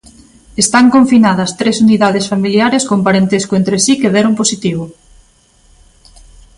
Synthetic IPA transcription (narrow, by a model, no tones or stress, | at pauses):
est̪aŋkoɱfinaðɐst̪ɾesuniðaðesfamiljaɾeskompaɾent̪eskʊent̪ɾesikeðɛɾomposit̪iβʊ